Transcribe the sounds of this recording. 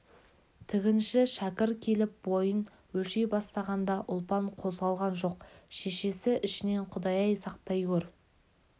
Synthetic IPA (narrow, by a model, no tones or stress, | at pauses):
t̪ʰɪɡʲɪnʃɪʃækʲɪɾkʲʰe̞lɪp̚bo̞jən | wɵlʃejbɑst̪ɑʁɑnd̪ɑʔʊlˠpɑɴqʰo̞zʁɑlˠʁɑnʒo̞qʃe̞ʃe̞sɪʔɪʃɪne̞ɴqʰʊd̪ɑjɑjsɑqt̪ɑjkʲɵɾ